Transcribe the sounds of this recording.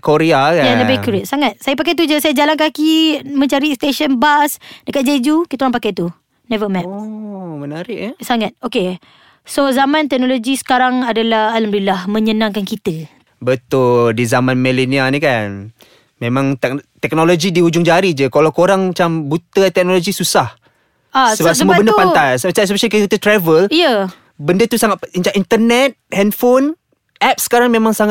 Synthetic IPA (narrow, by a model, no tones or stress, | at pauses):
koɾeakajadabkuɾet̪̚saŋat̪̚sajapakajt̪̬ud͡ʒəsajad͡ʒalankakimə̃ɲt͡ʃaɾist̪eʃənbasdəkat̪̚d͡ʒed͡ʒukit̪kuɾaŋpakajt̪u | nɛvəmɛ | mənaɾɪʔsaŋat̪̚oke | sozamãnt̪ɛk̚nolod͡ʒisə̥kaɾaŋadalahaləmdilahmə̃ɲənãŋkankit̪ə | bət̪ʊldizamãnmɛlinianĩkan | mẽmãŋt̪kt̪ɛk̚nolod͡ʒidiud͡ʒʊŋd͡ʒaɾid͡ʒəkalawkoɾaŋmat͡ʃambut̪ət̪ɛk̚noloɡisusah | assəbaapsəmuabəndəpant̪ajsmat͡ʃamspet͡ʃəkəkit̪ət̪ɾɛvəlijə | bəndət̪usaŋat̪̚int͡ʃaʔint̪ərnɛt̪̚hɛnfon | ʔɛp̚sə̥kaɾaŋmemãŋsaŋa